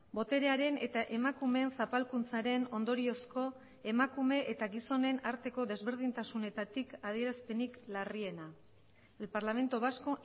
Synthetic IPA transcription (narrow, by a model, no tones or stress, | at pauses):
bo̞t̪e̞ɾe̞aɾe̞ne̞t̪aʔe̞makume̞nsapalkunt͡saɾe̞no̞nd̪o̞ɾio̞sko̞ | e̞makume̞ʔet̪aɡiso̞ne̞naɾt̪e̞ko̞ðe̞zβe̞ɾð̞int̪asune̞t̪at̪ikað̞ie̞ɾaspe̞niklarie̞na | elpaɾlame̞nt̪oβasko̞